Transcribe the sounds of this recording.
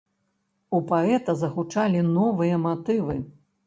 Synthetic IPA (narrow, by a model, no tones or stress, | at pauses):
upaɛt̪ɐzɐxut͡ʂalʲinɔvɨjɐmat̪ɨvɨ